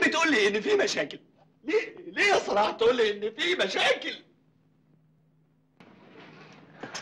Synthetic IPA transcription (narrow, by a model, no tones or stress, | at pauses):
bɪt̪ʔuːlːiːʔɪnːɪfiːmæʃæːkɪl | lileːjɑsˤːɑlɑːħt̪ʔuːlːiʔɪnːɪfiːmæʃæːkɪl